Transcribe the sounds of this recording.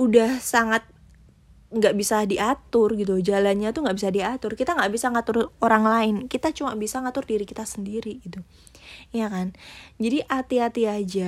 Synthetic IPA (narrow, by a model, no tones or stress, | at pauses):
udahsaŋat̪̚ | ŋɡaʔbisadiʔat̪ʊrɡit̪̬ud͡ʒalanɲat̪uŋɡaʔbisadiat̪ʊrkit̪aŋɡaʔbisaŋat̪ʊroɾaŋlaɪnkit̪at͡ʃumabisaŋat̪ʊrdiɾikit̪asəndiɾiɡit̪u | jakand͡ʒadiʔat̪iat̪iad͡ʒa